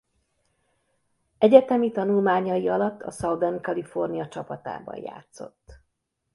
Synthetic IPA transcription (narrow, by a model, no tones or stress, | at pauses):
ɛɟɛt̪ɛmit̪ɒnulmaːɲɒjiɒlɒt̪ːɒ̰sɒwd̪ɛnkɒlifornijɒt͡ʃɒpɒt̪a̰ːbɒ̰jja̰ːt̪so̞̰t̪ː